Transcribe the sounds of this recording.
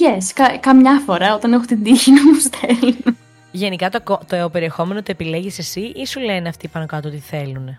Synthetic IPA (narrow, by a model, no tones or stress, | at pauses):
eskɐkɐmɲɐfo̞ɾɐo̞t̪ɐnexut̪ind̪içinɐmust̪ʰelun | ʝe̞nikɐt̪okot̪oeope̞ɾie̞xo̞me̞not̪ue̞pile̞ʝise̞siʔisuleneɐft̪iːpɐnokɐt̪oot̪iθe̞lune